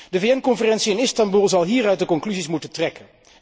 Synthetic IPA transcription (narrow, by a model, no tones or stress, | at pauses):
dəveːɛnkɔnfərɛntsiɪnɪstɑmbulˠzɑlˠɦiːrœɥt̚dəkɔŋklyzismutəntrɛkən